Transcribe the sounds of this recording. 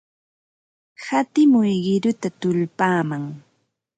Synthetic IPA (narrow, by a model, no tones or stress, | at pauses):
hat̪ɪmʊjɢɪɾʊt̪at̪ʊlpaːmaŋ